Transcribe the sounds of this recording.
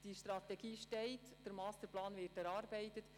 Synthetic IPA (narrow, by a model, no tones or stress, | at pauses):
d̥iʃtɾɑtɛɡiːʃtɛɪt | d̥əɾmɑːst̪əɾplɑːnʋɪtɛɾɑːɾbɛɪtət